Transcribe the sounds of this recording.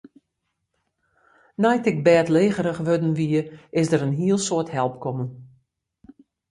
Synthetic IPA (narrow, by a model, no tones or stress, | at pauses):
najtɪk̚bɛːtleːɣəɾəxʋødn̩ʋiəɪsdəɾənɦiəlˠsoəthɛlˠpkɔmən